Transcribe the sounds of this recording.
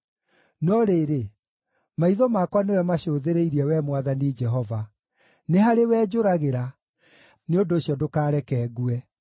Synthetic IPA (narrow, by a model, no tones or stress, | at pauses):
nɔɾeɾe | maiðɔmakwanewɛmaɕoːðeɾeiɾiɛwɛmwaðanid͡ʒɛɦɔva | nehaɾewɛːd͡ʒoɾaɣeɾa | neondoːɕiɔdokaːɾɛkɛːɣuɛ